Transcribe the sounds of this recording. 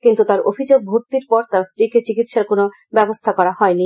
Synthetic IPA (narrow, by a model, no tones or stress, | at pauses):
kint̪ut̪aɾo̰bʱid͡ʑoɡ̚bʱoɾt̪iɾpɔɾt̪aɾsʈiket͡ɕikit̪ʃaɾkono | bɛbost̪ʰakɔɾahɔeni